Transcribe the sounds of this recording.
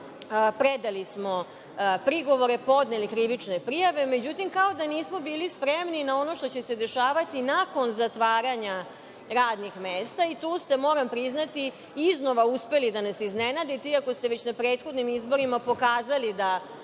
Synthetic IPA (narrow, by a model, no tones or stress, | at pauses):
pɾed̪alismo̞ | pɾiɡo̞ʋo̞ɾe̞po̞d̪nelikɾiʋit͡ʂnepɾijaʋe̞me̞d͡ʑut̪imkao̞d̪aniːsmo̞biːlispɾemninao̞no̞ʃt̪o̞t͡ɕe̞se̞d̪e̞ʃaːʋat̪inako̞nzat̪ʋaːɾaɲa | ɾaːd̪nixmeːst̪ait̪uːst̪e̞mo̞ɾampɾiznat̪i | izno̞ʋauspe̞lid̪anasiznenad̪it̪eiako̞st̪eʋe̞t͡ɕnapɾeːt̪xod̪nimizbo̞ɾimapo̞kaːzalid̪a